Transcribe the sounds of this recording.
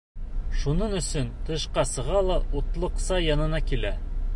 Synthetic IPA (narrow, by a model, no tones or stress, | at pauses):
ʃunɤɴɵ̆sɵnt̪ɤ̆ʃqɑsɤ̆ʁɑlˠɑʔut̪lˠɤ̆qsɑjɑnɤ̆nɑkilæ